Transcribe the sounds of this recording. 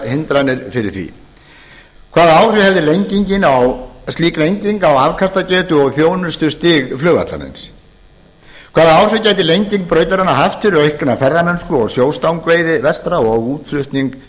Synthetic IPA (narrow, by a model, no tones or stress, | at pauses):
hɪnt̪ɾanːɪɾfɪɾɪɾ̥θvḭ | kʰvaːðaaːwr̥ʏhɛvðɪlejɲciɲcɪnawst̪liːklejɲciŋkawavkʰast̪acɛːt̪ʏɔɣθjoːwnʏst̪ʏst̪ɪːɣflœːɣa̰t̪la̰ɾḛns | kʰvaːðaawr̥ʏcaːjt̪ɪlejɲciŋk̚pɾœːɥt̪aɾanːaɦaft̪fɪɾʏɾejhkʏnafɛɾðamɛnskʏɔɣsjoːwst̪awŋkvejðɪvɛst̪ɾaɔɣuːt̪flʏht̪niŋk